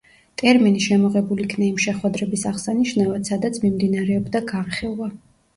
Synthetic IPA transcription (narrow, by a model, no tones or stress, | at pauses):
t̪ʼɛɾminiʃɛmɔʁɛbulikʰnaimʃɛχwɛd̪ɾɛbisaʁsaniʃnavat̪sad̪at̪sʰmimd̪inaɾɛɔbd̪aɡaɾχilˠva